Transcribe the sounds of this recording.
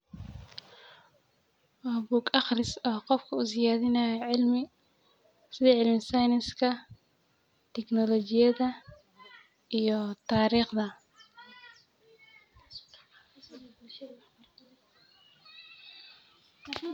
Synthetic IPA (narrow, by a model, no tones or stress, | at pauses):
wabuːɡɑχrɪsɔːqɔfkʰɐʊsɪjaːðɪnɐjɛʕɪlmɪ | sɪðɛʕɪlmɪsɑjnɪskʰɐ | t̪ʰɛknɔlɔt͡ʃɪjɐðɐ | ʔijɔt̪ʰaːɾiːχd̪ɐ